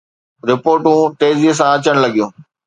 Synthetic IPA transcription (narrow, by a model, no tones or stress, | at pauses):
ɾɪpoːɾʈũʈeːzis̬ãɐt͡ɕəɽ̃lɐɠijũː